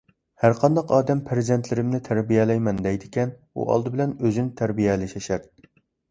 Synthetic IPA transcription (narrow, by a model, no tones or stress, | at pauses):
hæɾqʰɑnd̪ɑqɑːd̪ɛmpʰæɾɪzɛnt̪ʰlɪɾɪmnɪt̪ʰæɾbijɛlɛjmɛnd̪ɛjd̪ɪkʲɛn | ṵʔɑ̰lˠd̪ɨbɪlɛnøzynt̪ʰæɾbijɛlɪʃɛʃæɾ